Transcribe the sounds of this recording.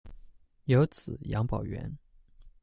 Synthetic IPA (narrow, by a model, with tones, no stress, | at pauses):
jo˧˥ʊt͡sʰɹ̩˨˩˦jɑ̰˧˥ŋpɑ˨˩ʊɥɛ̰˧˥n